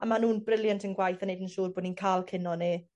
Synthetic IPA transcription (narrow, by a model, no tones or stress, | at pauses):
amanuːnbrɪlˠjantʰənɡwajθanejdənʃuːrboːdninkʰaːlˠkʰɪnɔni